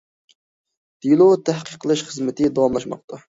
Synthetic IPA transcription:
d̪̥ilˠot̪ʰæhqʰəqʰːəlˠɨʃχəzmɪt̪ʰɪd̪ɑwɑmlˠɑʃmɑ̰q̚t̪ʰɑ

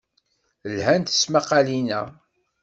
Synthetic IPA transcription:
lhænt̪ə̥smaqalinæ̰

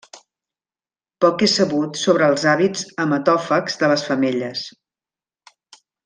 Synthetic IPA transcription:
pɔkesəβut̪soβɾəːlˠzaβizəmət̪ɔfəkz̥ðələsfəmeʎəs

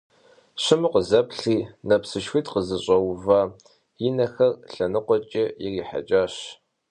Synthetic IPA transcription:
ɕɪmɨqʷəzɐpɬiːnɐpsɨʃxʷiːtqəzɨɕʼɐwvɐ | jɪnɐxɐrɬɐnɨqʷɔt͡ʃʼɐjɪriːħa̰t͡ʃʼaːɕ

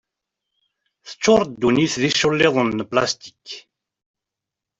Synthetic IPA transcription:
θə̥t͡sːʊɾˤd̪ːuniθðiʃʊlːɪðˤənːpla̰st̪i̥k

